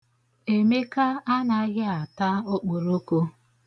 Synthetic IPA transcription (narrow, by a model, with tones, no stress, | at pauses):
e˨me˦ka˦a˦na˨˦ɣɪ˦a˨ta˦o˦k͡po˨ɾo˦ko˦